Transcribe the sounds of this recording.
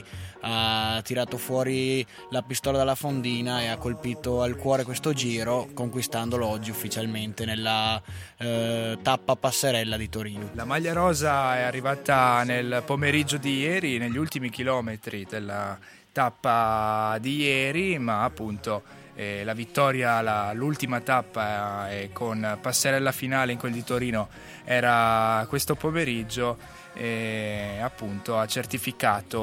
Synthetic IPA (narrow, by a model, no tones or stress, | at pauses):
at̪ːiɾaːt̪ofwɔːɾi | lapist̪ɔːlad̪elːafond̪iːnaeakːolpiːt̪oalkwɔːɾekwest̪od͡ʒiːɾokoŋkwist̪and̪oloɔd͡ʒːiufːit͡ʃalment̪enelːa | t̪apːapasːeɾɛlːad̪it̪oɾiːnolamaʎːaɾɔːzaɛarːivaːt̪anelpomeɾid͡ʒːod̪ijɛːɾineʎːiult̪imik̟ilɔːmet̪ɾid̪elːa | t̪apːad̪ijɛːɾimaːpːunt̪o | ɛlavit̪ːɔːɾjalalult̪imat̪apːaɛkʰonpasːeɾɛlːafinaːleiŋkweld̪it̪oɾiːno | ɛːɾakwest̪opomeɾid͡ʒːo | ɛ | apːunt̪oat͡ʃːert̪ifikaːt̪o